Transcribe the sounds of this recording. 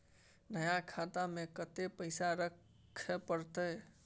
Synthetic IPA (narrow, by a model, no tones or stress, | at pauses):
nəjakʰat̪amekət̪epəɪsaɾəkʰ | epəɾt̪əj